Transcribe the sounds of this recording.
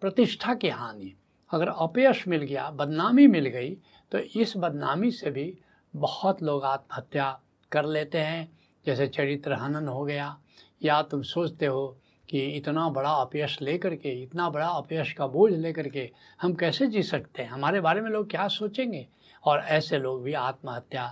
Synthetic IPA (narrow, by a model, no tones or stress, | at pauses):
pɾɐt̪ɪʃʈʰakiɦaːni | ɐɡəɾɐpjəʃmɪlɡɐja̰bɐd̪naːmimɪlɡɐi | t̪oʔɪsbɐd̪naːmisebʱi | bɐhɔt̪loːɡaːt̪̚mɦɐt̪ja | kɐɾleːt̪eɦɛ̃ | d͡ʒɛːset͡ʃɐɾɪt̪ɾəɦənənɦoɡɐja | jat̪ʊmsoːt͡ʃʰt̪eɦo | kiɪt̪nabɐɽaɐpjəʃleːkəɾkeɪt̪nabɐɽaɐpeəʃkaboːd͡ʒʱleːkɐɾkehɐmkɛːsed͡ʒiːsɐkt̪eɦɛ̃ɦɐmaːɾebaːɾemẽloːɡ̚kjaːsoːt͡ʃẽːŋɡeː | ɔːɾɛːseloːɡbʱiaːt̪̚məɦɐt̪ja